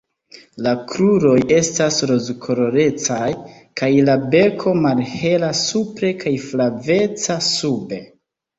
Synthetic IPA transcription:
lakɾuɾo̞je̞stasɾo̞zkʰo̞ɾo̞ɾe̞t͡saj | kʰajlabe̞kʰo̞malhe̞lasupɾe̞kʰajflave̞t͡sasube̞

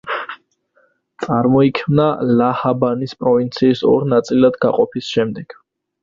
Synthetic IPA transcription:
t̪sʼaɾmɔikʰmnalahabanispʼɾɔvint̪sʰiːsɔ̰ɾnat̪sʼilad̪ɡa̰qʼɔpʰisʃɛmd̪ɛɡ̥

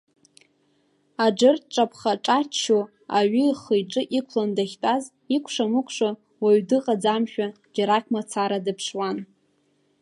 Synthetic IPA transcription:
ad͡ʒɨrtʈ͡ʂʼapʰχaʈ͡ʂʼat͡ʃt͡ʃʰːo | aɥiχɨjʈ͡ʂʼɨʔikʷʰlandaχʲtʼaz | ikʷʰʂamɨkʷʰʂa | waɥdɨqʼad͡zamʃᶣa | d͡ʒaɾakʰʲʼmat͡sʰaɾadɨpʰʂwan

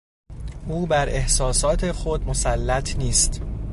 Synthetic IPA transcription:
ʔuːbæɾe̞hsɒːsɒːt̪ʰe̞xo̞d̪̚mo̞sælːæt̪ʰniːst̪

